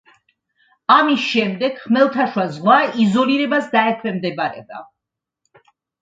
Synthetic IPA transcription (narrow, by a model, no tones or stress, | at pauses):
amisʃɛmd̪ɛɡ̥χmɛlˠt̪ʰaʃwazʁwaizɔliɾɛbasd̪aɛkʰwɛmd̪ɛbɾɛ̰ba̰